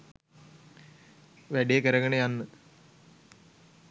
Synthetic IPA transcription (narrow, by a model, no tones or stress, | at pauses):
ʋæɖijekəɾɐɡəɳejanːɨ